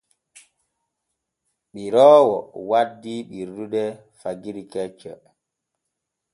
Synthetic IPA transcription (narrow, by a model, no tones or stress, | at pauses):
ɓiɾɔːwɔ̰wadːiɓiɾduɗɛ | faɡiɾikɛt͡ʃːɛ